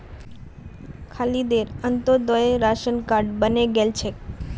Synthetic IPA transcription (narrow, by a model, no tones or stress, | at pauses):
kʰalid̪eɾənt̪od̪oeɾaʃənkaɾɖbəneɡelt͡ʃʰe